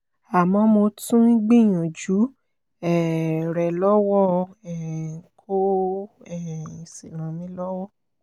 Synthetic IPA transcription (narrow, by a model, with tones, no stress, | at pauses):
a˨mɔ̃˧mo˧tũ˦i˦ɡ͡bĩ˦˨j̃ã˨d͡ʒu˨˦ | ɛ˦˨ɾɛ˨lɔ˦wɔ˦ɛ˨kʰo˦ | ɛ˦˨ĩ˨se˨ɾ̃ã˨mĩ˦lɔ˦wɔ˦˨